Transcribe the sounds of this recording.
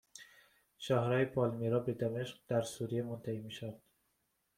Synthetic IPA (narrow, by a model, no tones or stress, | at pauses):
ʃɒːhɾɒːjepʰɒlmiɾɒːbed̪æmeʃɢ̥̚d̪̥æɾsuːɾijemont̪ʰæhiːmiʃaɾd̪̥